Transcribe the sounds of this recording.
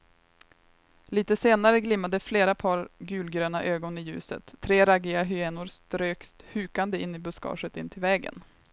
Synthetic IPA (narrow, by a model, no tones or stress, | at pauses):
liːt̪əseːnaɾəɡlɪmːad̪əfleːɾapʰɑːɾɡʉ̟ːlɡɾøːnaʔøːɡɔnɪjʉ̟ːsə̰t̪ʰːɾeːɾaɡɪaɦʏeːnʊɾst̪ɾøːkst̪hʉ̟ːkand̪əɪnːɪbɵskɑ̰ːʂət̪ɪnt̪ʰɪlvɛːɡə̰n